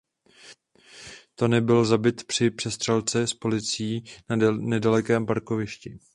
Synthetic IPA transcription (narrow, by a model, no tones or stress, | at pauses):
t̪o̞nɛbɪlzabɪt̪pr̥ɪpr̝̥ɛst̪r̥ɛlt͡sɛspo̞lɪt͡siːnnɛdalɛkɛːmpaɾko̞vɪʃcɪ